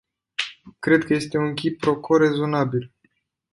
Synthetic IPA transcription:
kɾe̞d̪̚kəje̞st̪e̞unkʲipːɾo̞ko̞ɾe̞zo̞nabil

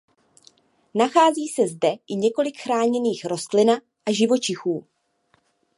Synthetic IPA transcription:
naxaːziːsɛzdɛʔɪɲɛko̞lɪkxɾaːɲɛniːxɾo̞st̪lɪna | ʔaʒɪvo̞t͡ʃɪxuː

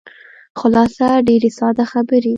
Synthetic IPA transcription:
xʊlɑsaɖeɾesɑd̪axabəɾi

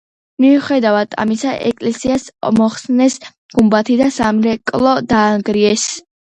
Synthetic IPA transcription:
miuχɛd̪avad̪ʰa̰misaʔɛ̰kʼlɛsiasmɔχsnɛs | ɡ̥umbat̪ʰid̪asamɾɛkʼlˠɔd̪aːŋɡɾiɛs

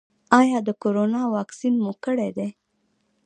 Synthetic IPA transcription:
ɑjɑd̪əkoɾonɑwɑksinmokəɽed̪e

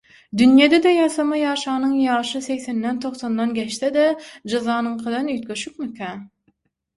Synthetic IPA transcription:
d̪ynjed̪ed̪æjɑsɑmɑjɑːʃɑːnɯŋjɑːʃɯsekθenːænt̪ʰo̞χθond̪ɑnɡʲæʃt̪ed̪æd͡ʒɑzɑːnɯɴqʰɯd̪ɑnyːt̪kʲøʃyp̚mykʰæː

